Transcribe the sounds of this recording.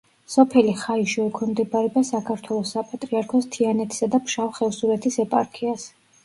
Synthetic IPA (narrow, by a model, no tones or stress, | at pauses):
sɔpʰɛliχaiʃɛɛkʰwɛmd̪ɛbaɾɛbasakʰaɾt̪ʰwɛlˠɔsːapʼat̪ʼɾiaɾkʰɔst̪ʰianɛt̪ʰi̥sad̪apʰʃavχɛvsuɾɛt̪ʰisɛpʼaɾkʰias